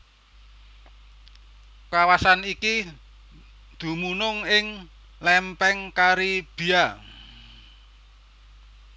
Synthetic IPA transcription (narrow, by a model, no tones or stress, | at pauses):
kawasaniki | d̪̥ṳmunʊŋɪŋ | lɛmpɛŋkaɾib̥i̤a